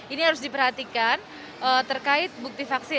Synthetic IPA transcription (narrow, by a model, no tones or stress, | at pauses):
iniɦaɾʊsdipəɾɦat̪ikan | ʔət̪ərkaɪt̪̚buk̚t̪ifaksɪ